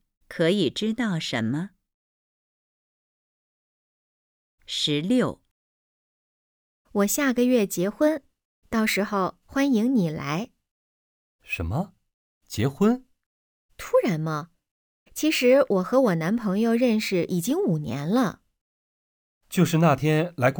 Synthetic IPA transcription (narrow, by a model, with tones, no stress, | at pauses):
kʰɤ˧˥i˨˩ʈ͡ʂɻ̩˥t̪ɑ˥˩ʊʂə˧˥nmə˧ | ʂɻ̩˧˥ljo˥˩ʊ | wɔ˨˩ɕja˥˩ɡə˨ɥɛ˥˩t͡ɕjɛ˧˥xwə˥n | t̪ɑ˥˩ʊʂɻ̩˧˥xo˥˧ʊxwa˥ni˧˥ŋni˨˩la̰˧˥ɪ | ʂə̰˧˥nmə˧ | t͡ɕjɛ˧˥xwə˥n | t̪ʰu˥ɻa˧˥nmɐ˧ | t͡ɕʰi˧˥ʂɻ̩˧˥wʔɔ˨˩xɤ˧˥wɔ˨˩na˧˥npʰɤ˧˥ŋjo˥˧ʊɻə˥˧nʂɻ̩˥˩ʔi˨˩t͡ɕi˥ŋu˨˩njɛ̰˧˥nlə˧ | t͡ɕjo˥˧ʊʂɻ̩˥˧na˥˩t̪ʰjɛ˥nla˧˥ɪk